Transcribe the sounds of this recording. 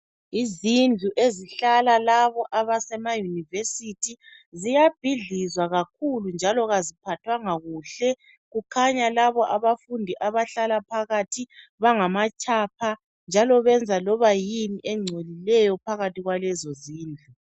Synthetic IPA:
izind͡ɮʱuʔeziɬalalaβɔʔaβasɛmajunivesitʰi | zijab̥ʱiɮizwaɣakʰulund͡ʒʱalɔɣazipʰatʰwaŋaɣuːɬɛ | ɣukʰaɲalaβɔʔaβafundʱiʔaβaɬalapʰaɣatʰiβaŋamat͡ʃʰʼaːpʰa | nd͡ʒʱalɔβɛnd͡zʱalɔβajiniʔɛŋ͡ǀʱolilɛjɔpʰaɣatiɣwalɛzɔziːnd͡ɮʱu

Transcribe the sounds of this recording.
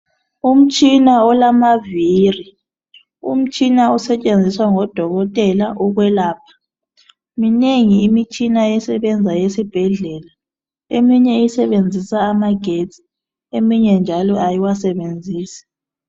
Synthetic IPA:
um̩t͡ʃʼinaɔlamaviri | ṵm̩t͡ʃʼinausɛt͡ʃʼend͡zʱiswaŋɔd̥ʱɔɣɔtʼɛlaʔɔɣwɛlaːpʰḁ | mineŋiːmit͡ʃʼinaɛsɛβɛnd͡zʱajesib̥ʱɛɮɛla | emiɲɛisɛβend͡zʱisaːmaɡ̥ʱetʰʼi̥ | emiɲɛnd͡ʒʱalɔajiwasɛβend͡zʱiːsḁ

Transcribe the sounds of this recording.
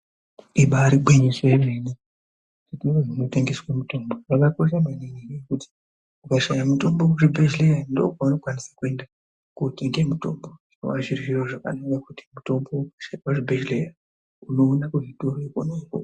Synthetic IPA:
iɓaːɾiɓweɲiseemeni | titiroʐino̞teŋɡe̞swamuto̞mboʋakako̞ʃamaniniɾiekuti̥ | ukaʃajamuto̞mbo̞kaʐibʱed͡ʒlejando̰ukanokwanisḁkue̞nda | kuteŋɡemutombo̞ino̰ʋaʐirwiro̞ʐaka̰nakakuti̥muto̞mboukaʃawaʐibʱed͡ʒleja | uno̞ːnakuʐitoɾoikonoko̰

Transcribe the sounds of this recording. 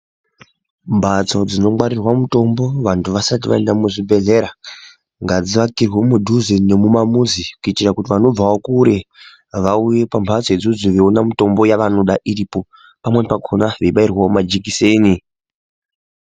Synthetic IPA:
mbʱat͡so̞d͡zino̞mwaɾirwamuto̞mbo̞ʋantʰuʋasatiʋa̰e̞ndamuʐibʱe̞ɮe̞ɾa | ŋɡad͡ziʋakirwomudʱuzennemumamuzikuitirakutiʋano̞b͡vaokuɾe̞ | ʋauje̞pambʱat͡soed͡zod͡ziʋeonamito̞mbo̞jaʋano̞ɗaʔiɾipo̞ | pamwe̞pakʰonaʋeiɓairwaomad͡ʒikiseːni

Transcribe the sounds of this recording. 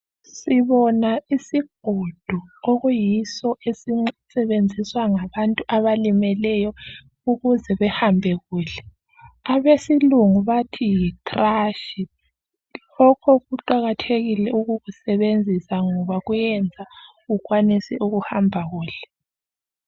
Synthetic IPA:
siβɔnaisiɡ̥̚ʱod̥ʱuoɣujisɔʔesisɛβend͡zʱiswaŋaβantʼuʔaβalimɛlɛjɔ | uɣuzɛβɛhambʱɛɣuːɬɛ | aβesiluŋuβatʰijikʼraːʃi | lɔkʰɔɣuǃaɣatʰeɣilɛuɣuɣusɛβend͡zʱisaŋɔβaɣujɛnd͡zʱa | ɣuɣwanisɛʔuɣuhambʱaɣuːɬɛ̥

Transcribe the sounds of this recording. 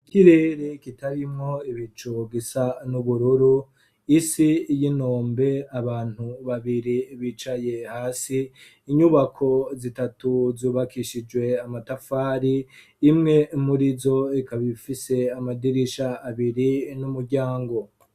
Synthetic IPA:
kiɾeɾekitaɾimŋo̞iβit͡ʃoɡisanuβuɾuɾu | isijino̞ːmbe̞aβaːn̥huβaβiɾiβit͡ʃaje̞haːsiː | ɲuβakʰo̞zitatuzuːβakʰiʃid͡ʒwe̞amatafaːɾiː | mŋe̞muɾizo̞ikaβifise̞amadiɾiʃaːβiɾinumuɾɟaːŋɡo̞

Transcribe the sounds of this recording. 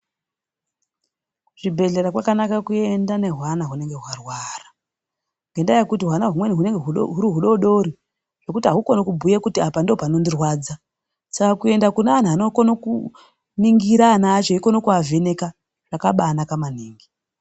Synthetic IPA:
kuʐibʱe̞ɮe̞ɾakwakanakakue̞ndane̞ɦwanaɦune̞ŋɡe̞ɦwarwara | ŋɡendajekutiɦwanaɦumweniɦuneŋɡeɦuɦuɾiɦuɗo̞ɗo̞ɾi | ʐ̥o̞kutiɦaɦuko̞nokubʱujekutiapandopano̞ndirwaːd͡za | sakakue̞ndakunaːn̤uanokonoku | niŋɡiɾanaːt͡ʃoiko̞nokuave̞ne̞ka | ʐakaɓaːnakamaniːŋɡi

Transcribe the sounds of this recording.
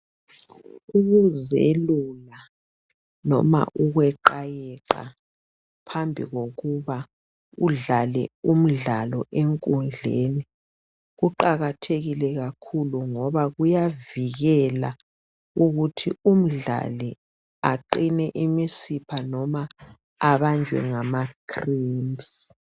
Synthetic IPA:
uɣuzelula | nɔ̰ma̰ʔuɣwɛǃajɛǃa̰ | pʰambʱḭɣoɣuβa | uɮalɛ̰um̩ɮalɔʔeŋkʼund͡ɮʱḛni | ɣuǃaɣatʰeɣilɛɣakʰuluŋɔβaɣujaviɣɛla̰ | uɣutʰium̩ɮa̰li | aǃinɛʔimisipʰanɔmaː | βand͡ʒʱwɛ̰ŋamakʰrims

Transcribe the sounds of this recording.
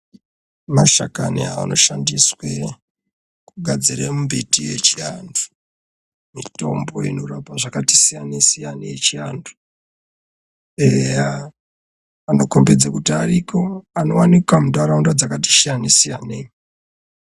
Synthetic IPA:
maʃakanḭaa̰no̞ʃandiswe | kuɡʱad͡ziɾemumbitije̞t͡ʃiandu̥ | mito̞mbo̞inorapaʐakati̥sijanesijaneje̞t͡ʃiandu̥ | eja | ano̞ko̞mbed͡zakutiaɾikʰo̞ano̞wanikwamudaɾaundad͡zakati̥ʃijanesijaneɲ

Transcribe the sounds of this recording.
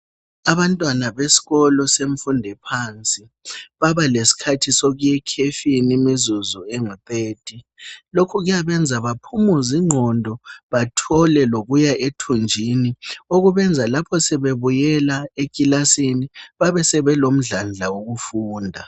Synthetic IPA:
aβantʼwanaβesi̥ɣɔlɔseɱ̩fundʱɛpʰant͡sʼi | βaβalesi̥kʰatʰisoɣujɛkʰefinemizuzueŋɔteːtʼi | lokʰuɣujaβɛnd͡zʱaβapʰumuziŋ͡ǀʱɔndʱɔβatʰɔlɛloɣujaʔetʰund͡ʒʱinioɣuβɛnd͡zʱalapʰɔsɛβeβujɛlaekʼilasiniβaβɛsɛβɛlom̩ɮand͡ɮʱawoɣufuːndʱa

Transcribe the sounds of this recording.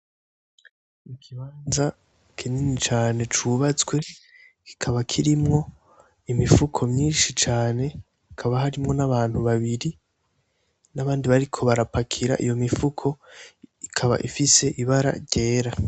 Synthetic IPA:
mikʰiβaːnza | kʰinenit͡ʃaːne̞t͡ʃuβat͡swe̞ | ki̥kʰaβakʰiɾimŋo̞ | imifukʰo̞mɲiːnʃit͡ʃaːne̞ | kikʰaβaɦaɾimŋo̞naβaːn̥huβaβiɾi | naβaːndiβaɾikʰo̞βaɾapakʰiɾa̰ʔḭjo̞mifukʰo̞ikʰaβa̰ʔifise̞ʔiβaɾa̰ɾɟe̞ːɾa

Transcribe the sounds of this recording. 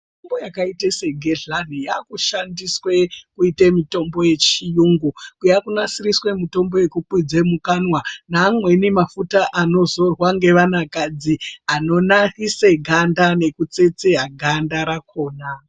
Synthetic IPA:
ombo̞jakaitese̞ɡʱeɮanijakuʃandiswe̞kuitemito̞mbo̞je̞t͡ʃijuŋɡukujakunasiriswe̞mito̞mbo̞je̞kukwid͡zemukanwanaːmwe̞nimafutaʔano̞zo̞rwaŋɡe̞ʋanakad͡ziano̞nahiseɡʱandane̞kut͡se̞t͡seɦaɡʱandaɾako̞ːna

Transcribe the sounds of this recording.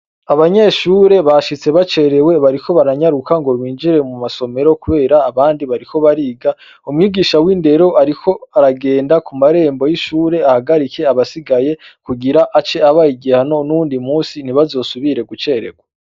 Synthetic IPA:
aβaɲe̞ʃuːɾe̞βaʃit͡se̞βat͡ʃe̞ɾe̞we̞βaɾikʰo̞βaɾaɲaɾukaŋɡo̞ɾwiːnd͡ʒiɾe̞mumaso̞me̞ɾo̞kuβe̞ːɾaːβaːndiβaɾikʰo̞βaɾiːɡa | umuŋiːɡiːʃawiːnde̞ɾo̞aɾikʰo̞aɾaɡe̞ːndakumaɾe̞ːmbo̞jiʃuːɾe̞ahaɡaɾike̞aβasiɡaje̞kuɡiɾaʔat͡ʃe̞aβajiɡihano̞nuuːndimuːsiniβazo̞ːsuβiɾe̞ɡut͡ʃe̞ɾe̞̰ɡwa

